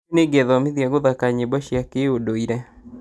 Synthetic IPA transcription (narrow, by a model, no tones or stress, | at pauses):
neɡɛðɔmeðjaɣoðakaɲebaʃjakeodoiɾɛ